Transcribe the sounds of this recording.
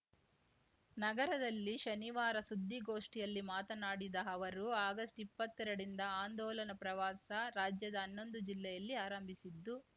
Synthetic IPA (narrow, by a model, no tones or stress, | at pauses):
nɐɡɐɾɐd̪ɐlːiʃɐniʋaːɾɐsud̪ːiɡo̞ːʂʈijɐlːimaːt̪ɐnaːɽid̪ɐɐʋɐɾuaːɡɐsʈipːɐt̪ːɛɾɐɽind̪ɐaːnd̪ɔːlɐnɐpɾɐʋaːsɐɾaːd͡ʒjɐd̪ɐːnːo̞nd̪ud͡ʒilːɛjɐlːiaːɾɐmbʱisid̪ːu